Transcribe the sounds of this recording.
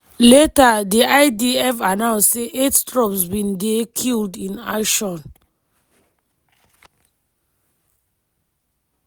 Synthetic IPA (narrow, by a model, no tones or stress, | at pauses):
letadiʔaɪdiɛfanãʊ̃nsseʔetstɹɔpsbĩndekʰildĩna̰ʃɔ̃n